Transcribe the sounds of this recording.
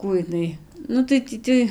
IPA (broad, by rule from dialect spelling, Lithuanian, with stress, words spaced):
ˈkuː ɪˈnɐɪ ˈnʊ tɐɪ ˈtʲiː tɐɪ